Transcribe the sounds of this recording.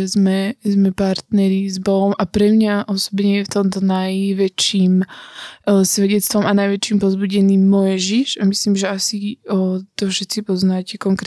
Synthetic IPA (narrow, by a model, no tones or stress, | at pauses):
ɛzmɛzmɛpaɾt̪nɛɾizbɔɦɔmʔapɾɛmɲaʔɔsɔ̥bɲɛjɛft̪ɔmt̪ɔnajʋɛt͡ʃiːm | sʋɛɟɛt̪t͡st̪ʋɔmanajʋɛt͡ʃiːmpɔzbuɟɛniːmːɔjʒiʒamisliːmʒɛasi | t̪ɔfʃɛt͡sipɔznaːcɛkɔŋkɾ